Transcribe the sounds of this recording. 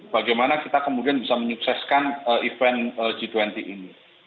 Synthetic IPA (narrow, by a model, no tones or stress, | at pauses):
b̥aɡajmanakit̪akəmudianbisaməɲuksɛskanəʔifɛnəd͡ʒ̥it̪wɛnt̪iʔini